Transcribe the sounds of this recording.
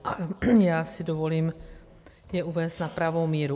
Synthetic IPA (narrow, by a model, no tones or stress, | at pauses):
ʔajaːsɪdovo̞liːm | jɛʔuvɛːst̪napɾavo̞wmiːɾu